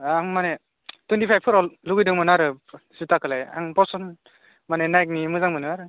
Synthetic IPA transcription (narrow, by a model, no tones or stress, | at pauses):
aŋmane | twentipʰajpʰɯɾɔlluɡɯjdɯŋmɯnaɾɯsitakɯlaja̰ŋpɔsɔn | manenajk̚nimɯzaŋmɯnɯaɾɯ